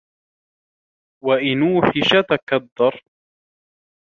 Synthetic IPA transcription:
waʔɪnuːfɪʃat̪akad̪ːɑɾˤ

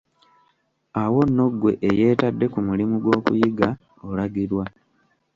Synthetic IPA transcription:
awo̞nːo̞ɡwe̞ʔeje̞ːtadːe̞kumulimuɡwo̞ːkṵjiɡa | olaɡiɾwa

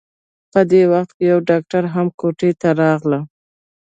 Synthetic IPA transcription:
pəd̪ewaxt̪̚kejawɖɑk̚ʈaɾɦamkoʈet̪aɾɑɣlə

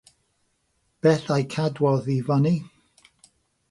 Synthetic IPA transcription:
b̥ɛːθajkʰadwɔðivɔni

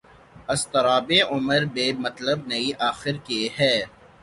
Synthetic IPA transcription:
ɐst̪ɐɾaːbeʔʊməɾbeːmɐt̪ləb̚nɐiʔaːxɪɾkeɦɛː

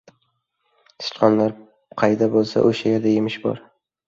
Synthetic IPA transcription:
sɪ̥t͡ʃqʰɒnlaɾ | qʰɑjd̪abolˠsa̰ʔoʃajeɾd̪ajemɪʃbɒ̰ɾ

